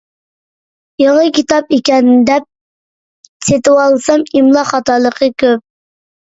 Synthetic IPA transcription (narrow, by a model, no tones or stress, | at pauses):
jeŋəkʲʰit̪ɑpekʲɛnd̪ɛp̚ | set̪ɪwɑlˠsɑmimlˠɑχɑt̪ɑlˠəqʰəkʲʰøp̚